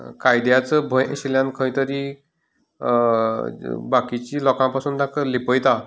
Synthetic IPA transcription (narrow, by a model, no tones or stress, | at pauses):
kajd̪jat͡səbʱə̃jḛɕiljãnkʰəjt̪əɾi | bakit͡ɕiːlɔkãpasuːnd̪akəlipəjt̪a